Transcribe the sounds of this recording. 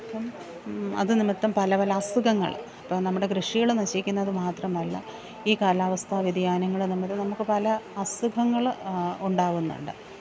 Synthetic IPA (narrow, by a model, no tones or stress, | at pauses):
pːɐm | ɐ̰ðɨnimit̪ːɐmpɐlɐpɐlɐɐsuɣɐŋːɐ̰ɭɐpːoːmnɐmːuɽe̞kɾɨʂiɣɐɭnɐɕiikʲːunːɐðɨmaːt̪rɐmɐlːɐ̰ | iːkaːlaːʋɐst̪ʰɐʋid̪jaːnɐŋːɐɭnimit̪ːɐmnɐmukːɨpɐlɐɐsuɡʱɐŋːɐɭuɳɖaːʋunːṵɳɖɨ̰